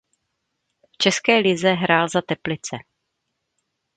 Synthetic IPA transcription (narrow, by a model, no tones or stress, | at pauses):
ft͡ʃɛskɛːlɪzɛɦɾaːlzat̪ɛplɪt͡sɛ